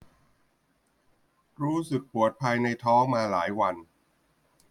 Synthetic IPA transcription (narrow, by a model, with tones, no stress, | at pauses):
ɾuː˦˥sɯ˨˩k̚pu˨˩ət̪̚pʰaː˧jna˧jt̪ʰɔː˦˥ŋmaː˧laː˩˦jwa˧n